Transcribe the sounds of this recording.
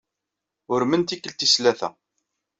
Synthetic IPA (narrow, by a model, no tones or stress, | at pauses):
ʊɾmənt̪ikːəlt̪islæθæ̰